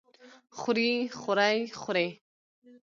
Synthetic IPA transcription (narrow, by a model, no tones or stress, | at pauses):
χʊɾiχʊɾajχʊɾe